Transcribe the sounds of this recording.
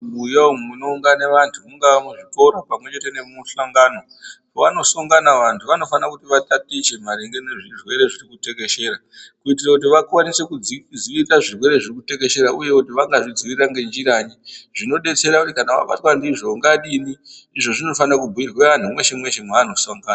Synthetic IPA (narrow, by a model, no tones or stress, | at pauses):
ujaomunouŋɡaneʋantʰumuŋɡaʋamuʐito̞ɾopamwe̞t͡ʃe̞te̞ne̞muɬaŋɡaːno̞ | ʋano̞soŋɡanaʋantʰuʋano̞fanakutiʋatatit͡ʃe̞m̤aɾiŋɡeneʐirwe̞ɾe̞ʐirikute̞ke̞ʃe̞ːɾa | kuit̬irakut̬iʋakwanise̞kuziʋiraʐirwe̞ɾe̞ʐirikute̞k̬e̞ʃe̞ɾaʔuje̞kutiʋaŋɡaʐid͡ziʋiraŋɡe̞nd͡ʒiɾaɲiʐino̞ɗe̞t͡se̞ɾakutikanaʋa̰ɓa̰twandiʐo̞ŋɡaɗiniː | ʐo̞ʐino̞fanakubʱuirweantʰumwe̞ʃemwe̞ʃemweano̞soŋɡaːna